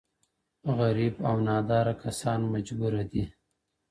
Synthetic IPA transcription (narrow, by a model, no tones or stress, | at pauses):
ɣaɾibawnɑd̪ɑːɾakʰasɑnmad͡ʒbuɾad̪i